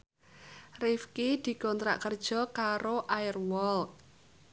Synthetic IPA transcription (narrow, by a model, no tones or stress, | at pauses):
rifkid̪̥i̤kɔnt̪ɾa̰ʔkərd̥ʒ̥ɔ̤kaɾoʔaɪrwɔl